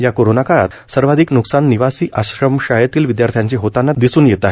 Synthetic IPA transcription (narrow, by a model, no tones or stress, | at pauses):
jakoɾonakaɭa̰t̪ | səɾʋad̪ʱiːknuksanːiʋasiːʔaɕɾəmɕajət̪iːlʋid̪jaɾt̪ʰjaɲt͡ɕiɦot̪anːad̪isuːnjet̪aɦe